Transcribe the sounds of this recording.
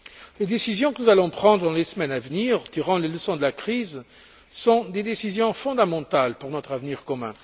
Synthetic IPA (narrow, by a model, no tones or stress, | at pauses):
led̪esizjɔ̃kənuzalɔ̃pχɑ̃d̪ʁəd̪ɑ̃lesəmɛnavəniʁt̪iʁɑ̃leləsɔ̃d̪əlakχiz | sɔ̃d̪ed̪esizjɔ̃fɔ̃d̪amɑ̃t̪alpuʁnɔt̪χavniʁkɔmɛ̃